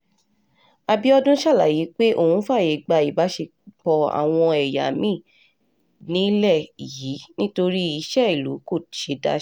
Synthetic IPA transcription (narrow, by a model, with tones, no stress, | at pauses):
a˧bi˦ɔ˦dũ˦ʃa˦˨la̰˨˦ji˨˦k͡pe˦ʔo˦˨hũ˨˦fa˦˨je˨˦ɡ͡ba˧i˨ba˨˦ʃe˧ | k͡pɔ˧a̰˨w̃ɔ̃˧ɛ˨ja˨mĩ˦˨ | nĩ˦lɛ˦˨i˨ji˨˦nĩ˦to˧ɾi˦i˧ʃɛ˦i˨lṵ˨˦ko˦˨ʃe˨˦da̰˦